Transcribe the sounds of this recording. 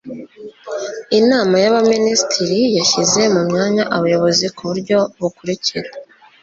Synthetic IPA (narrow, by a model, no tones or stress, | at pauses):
inaːmajaβaministʰiɾijaʃize̞mumɲaːɲaʔaβujo̞βo̞zikʰuβuɾɟo̞βukuɾiciɾa